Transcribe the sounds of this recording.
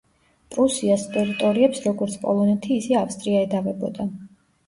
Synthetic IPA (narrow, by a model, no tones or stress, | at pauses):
pʼɾusiast̪ʼɛɾit̪ʼɔɾiɛpsɾɔɡɔɾt̪sʰpʼɔ̰lˠɔnɛt̪ʰiːsɛafst̪ʼɾiaɛd̪avɛbɔ̰d̪a